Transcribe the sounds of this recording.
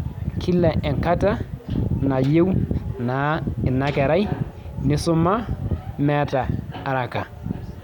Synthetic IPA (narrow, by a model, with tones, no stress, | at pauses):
kʰi˦lːɛ˨ʔɛ˨ŋka˦ta˦na˨je˦wna˨˦ɪ˨na˦kɛ˨ɾa˦jnɪ˦sʊ˦ma˦mɛ˦taː˨ɾa˨ka˨